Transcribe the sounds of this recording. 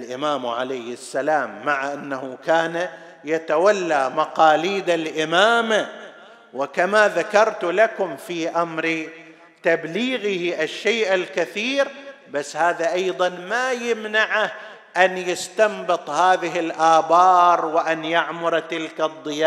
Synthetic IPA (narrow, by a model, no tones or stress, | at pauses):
lʔɪmaːmʕalajhɪsːalaːmːaʕaʔanːahukaːna | jat̪awalːamaqɑːliːd̪alʔɪmaːma | wɪkamaðakɑɾˤt̪lakʊmfiʔamɾ | t̪abliːɣɪhʔaʃːeːʔɪlkaθiːɾ | basːhaːðaʔɑjðˤɑnmajɪmnaʕah | ʔanjɪst̪ambɨt̪ˤhaːðɪɦɪlʔaːbɑːɾˤwɪʔanjaʕmʊɾˤt̪ɪlkad̪ˤːɨjaː